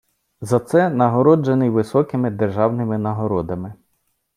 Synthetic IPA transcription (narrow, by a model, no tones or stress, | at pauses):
zɐt̪sɛnɐɦɔɾɔd͡ʒenɪjʋɪsɔkɪmɪd̪erʒɑwnɪmɪnɐɦɔɾɔd̪ɐmɪ